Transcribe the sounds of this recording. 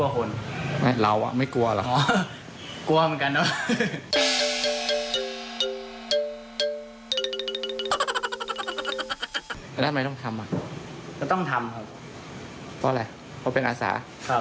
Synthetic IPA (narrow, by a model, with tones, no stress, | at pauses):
u˧ɐ˧kʰo˧nma˥˩jɾa˧wʔa̰˨˩ma˥˩jku˧ɐlɔ̰˨˩ʔɔː˨˦ | ku˧ɐmɯ˩˦nka˧ndɔ˦˥˨ | n˦˥˨ma˥˩jt̪ɔ˥˩ŋt̪ʰa˧mːʔa˨˩ʔkɔ˥˩t̪ɔ˥˩ŋt̪ʰa˧mkʰa˦˥˩p | pʰɔː˦˥˧a˧j | pʰɔ˦˥˩pe˧nʔaː˧sa̰ː˩˦ | kʰa˦˧˩